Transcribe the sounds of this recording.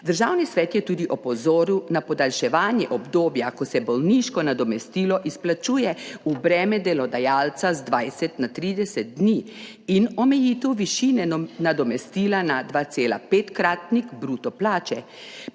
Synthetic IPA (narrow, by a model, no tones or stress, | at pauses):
d̪əɾʒaːwnisʋɛːt̪jɛt̪uːd̪iʔɔpɔzoːɾiwnapɔd̪alʃɛʋaːnjɛʔɔbd̪oːbjakɔsɛbɔlniʃkɔnad̪ɔmɛst̪iːlɔʔisplat͡ʃuːjɛubɾɛːmɛd̪ɛlɔd̪ajaːlt̪sazd̪ʋajsɛt̪nat̪ɾiːd̪ɛsɛt̪̚d̪niː | inɔmɛjiːt̪ɛwʋiʃiːnɛnad̪ɔmɛst̪iːlanad̪ʋaːt̪seːla̰peːt̪kɾaːt̪nikbɾuːt̪ɔplaːt͡ʃɛ